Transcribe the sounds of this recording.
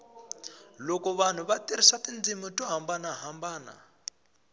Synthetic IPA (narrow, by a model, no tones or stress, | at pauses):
lokɔβan̤uβatiɾisatʼind͡zimutʼɔɦambanaɦambaːna̰